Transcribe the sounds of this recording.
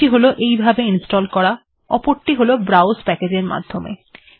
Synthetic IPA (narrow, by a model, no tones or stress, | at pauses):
iɦoloʔejbʱabeinsʈɔlkɔɽa | ɔ̰poɾʈiɦolobɾawspɛked͡ʑeɾma̰d̪ʱːomḛ